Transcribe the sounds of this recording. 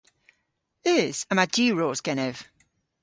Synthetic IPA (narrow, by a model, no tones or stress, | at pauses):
eːz̥əmadiːɹoːzɡ̥ɛnɛv̥